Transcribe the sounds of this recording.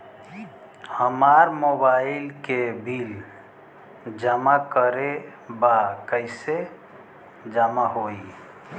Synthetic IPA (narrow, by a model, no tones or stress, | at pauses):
həmaɾmobaɪlkebʱil | d͡ʒəmakəɾebakəɪse | d͡ʒəmaɦoi